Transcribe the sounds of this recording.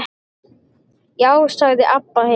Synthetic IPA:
jaːwsaɣðɪʔapːahe

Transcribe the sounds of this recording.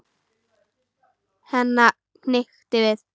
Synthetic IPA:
hɛnːa | knɪxt̪ɪvɪð

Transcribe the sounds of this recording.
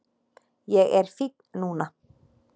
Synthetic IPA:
jɛɣɛɾ̥fit̪̚nnuːna

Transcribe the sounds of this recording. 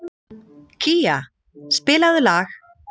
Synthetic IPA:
cʰiːa | spɪːlaðʏlaːx

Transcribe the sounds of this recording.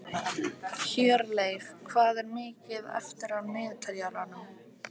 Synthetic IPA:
çɛːɾlejvkʰvaːðɛɾmɪːcɪðɛ̰ft̪ɪɾaðmɪːðt̪ʰaljalanʏm

